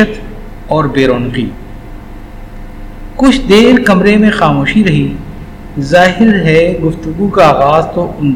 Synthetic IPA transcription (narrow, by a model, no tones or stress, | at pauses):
ət̪ | ɔːɾbeːɾoːnqḭː | kʊt͡ʃʰd̪eːɾkɐmɾemẽxaːmoːʃiɾɐɦi | zaːɦɪɾɦɛɡʊft̪ʊɡukaaːɣaːzt̪oʔʊ̃n